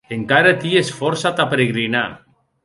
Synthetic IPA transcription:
eŋkaɾat̪iesfɔɾsat̪apeɾeɣɾina

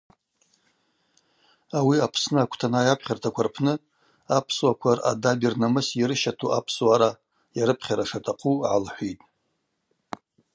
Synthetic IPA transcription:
awiapʰsnɨakʷʰtʰanaːjapʰχʲartʰakʷʰarpʰnɨ | apʰswakʷʰara̰dabirnamɨsiɾɨʃatʰuʔapʰswaɾa | jaɾɨpʰχʲaɾaʂatʰaqʰʼuʕa̰lħʷitʼ

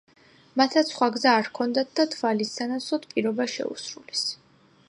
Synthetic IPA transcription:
mat̪ʰːat̪ssχwaɡzaːɾkʰɔnd̪at̪̚ʰd̪at̪ʰvalisanat̪sʰɔd̪pʼiɾɔbaʃɛ̰ṵsɾulɛs

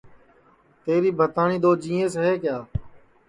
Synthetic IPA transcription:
t̪eːɾiːbʱət̪aːɳiːd̪oːd͡ʒĩːẽːsɦeːkjaː

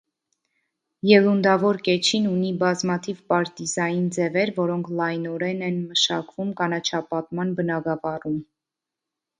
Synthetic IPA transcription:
jɛlund̪ɑvɔɾkɛt͡ʃʰinunibɑzmɑt̪ʰivpɑɾt̪izɑjind͡zɛvɛɾvɔɾɔŋkʰlɑjnɔɾɛnɛnməʃɑ̰kvumkɑnɑt͡ʃʰɑpɑt̪mɑnbənɑɡɑvɑrum

